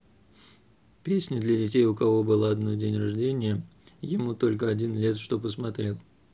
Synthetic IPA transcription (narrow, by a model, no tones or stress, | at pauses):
pʲesʲnʲɪd̪lʲədʲɪtʲejʊkɐvo̞bɨlˠaɐd̪nodʲenʲrɐʐdʲenʲɪjə | jɪmut̪o̞lʲk̬əɐdʲinlʲe̞t̪ʂt̪o̞p̬əsmɐt̪ɾʲelˠ